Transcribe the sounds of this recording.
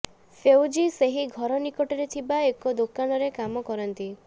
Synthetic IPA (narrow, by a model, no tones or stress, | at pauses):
fewd͡ʒiseɦiɡʱɔɾɔnikɔʈɔɾet̪ʰibaekɔd̪okanɔɾekamɔkɔɾɔnt̪i